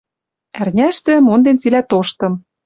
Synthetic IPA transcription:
ærnʲæʃt̪ĕmond̪ent͡silæt̪oʃt̪ɤ̆m

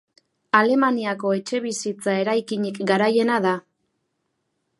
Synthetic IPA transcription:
ale̞maniako̞e̞t͡ʃe̞βisit͡sae̞ɾajkiɲikɡaɾaje̞naða

